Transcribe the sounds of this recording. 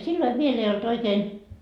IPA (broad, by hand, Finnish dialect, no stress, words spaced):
silːoi ʋiel ei olt oikeːn